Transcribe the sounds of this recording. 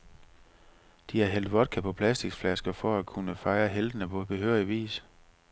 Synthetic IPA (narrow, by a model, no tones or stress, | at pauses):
d̥iæɐɦel̰d̥ʋɒ̽d̥̚kʰæpʰɒ̽pʰlæsd̥iɡ̥sflæsɡ̥ɐfɒækʰunəfɑ̈ɪɐɦeld̥ənəpʰɒ̽b̥e̝ɦøːɐ̰iʋḭːs